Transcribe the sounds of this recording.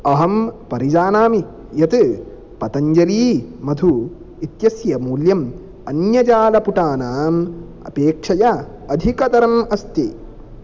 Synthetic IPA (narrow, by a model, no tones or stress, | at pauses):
ɐɦɐmpɐɾid͡ʒaːnaːmi | jɐt̪ɨ | pɐt̪ɐɲd͡ʒɐɾiːmɐd̪ʱu | it̪jɐsjɐmuːljɐm | ɐnjɐd͡ʒaːlɐpuʈaːnaːm | ɐ̰peːkʂɐjɐ | ɐd̪ʱikɐd̪ɐɾɐnɐst̪eː